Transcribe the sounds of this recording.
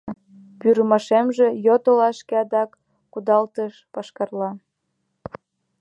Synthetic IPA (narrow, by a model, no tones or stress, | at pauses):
pyɾəmɑʃemʒĕjot̪olɑʃkeɑd̪ɑkː | ud̪ɑlt̪əʃpɑʃkɑrlɑ